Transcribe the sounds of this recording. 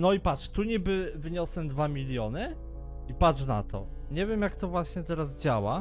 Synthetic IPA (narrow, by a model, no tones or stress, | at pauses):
nɔipaʂt̪uɲibɘvɘɲɔswɛmd̪vamʲilʲjɔnɘ | ipat͡ʂna̰t̪ʰɔ̰ɲevʲjemjakt̪ɔvwaɕɲɛt̪ɛɾaz̬d͡ʑawa